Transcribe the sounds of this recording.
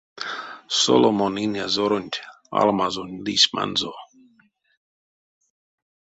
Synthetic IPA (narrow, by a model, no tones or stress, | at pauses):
so̰lomoninjazoɾonʲt̪ʲ | a̰lmazunʲlisma̰nzo